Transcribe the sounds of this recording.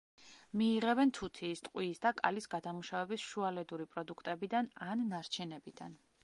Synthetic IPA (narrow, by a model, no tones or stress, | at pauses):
miːʁɛbɛnt̪ʰut̪ʰiːst̪ʼqʼwiːsd̪akʼa̰lisɡad̪amuʃavɛbisʃualɛd̪uɾipʼɾɔd̪ukʰt̪ʼɛbid̪ananːaɾt͡ʃʰɛnɛbid̪a̰n